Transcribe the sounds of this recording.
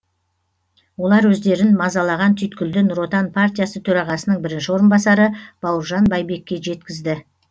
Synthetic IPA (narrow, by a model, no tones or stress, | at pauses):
wo̞lˠɑɾwɵzd̪e̞ɾɪnmɑzɑlˠɑʁɑnt̪ʰʏjt̪kʲʏld̪ɪnɾo̞t̪ɑnpʰart̪ʲijasət̪ʰɵɾɑʁɑsənəɴbɪɾɪnʃɪwo̞ɾənbɑsɑɾəb̥ɑwəɾʒɑnbɑjbe̞kʲːe̞ʒe̞t̪kʲɪzd̪ɪ